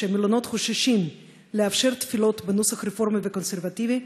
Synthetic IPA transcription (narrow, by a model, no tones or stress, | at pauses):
emilono̞t̪χoʃaʃim | leafʃe̞ʁt̪filo̞t̪benusaχɾefo̞ʁmiveko̞nseʁvat̪ivi